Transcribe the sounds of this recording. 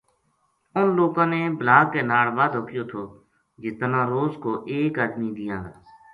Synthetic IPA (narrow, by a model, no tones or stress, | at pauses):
ʊnloːkãːneːblaːkːeːnaːɽʋaːd̪ɦokɪjoːt̪ʰoː | d͡ʒɪst̪ənãːɾoːzkoːʔeːkaːd̪miːd̪ɪjãː